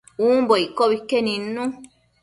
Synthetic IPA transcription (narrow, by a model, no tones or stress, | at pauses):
umboikːoβikːenĩnːũ